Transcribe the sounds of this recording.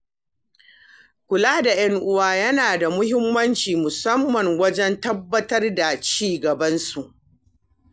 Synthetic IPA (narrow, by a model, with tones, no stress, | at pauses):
kʷʊ˨laː˦da˨jɐ˦ŋʔʊ˦waː˦jɐ˦naː˨da˨mʊ˦hɪ˦mːɐ˦nt͡ʃiː˨mʊ˨sɐ˦mːɐ˨ŋwɐ˦d͡ʒɛ˦ntɐ˦bːɐ˦tɐ˦rda˨t͡ʃiː˦˨ɡɐ˨bɐ˦nsu˨ʔ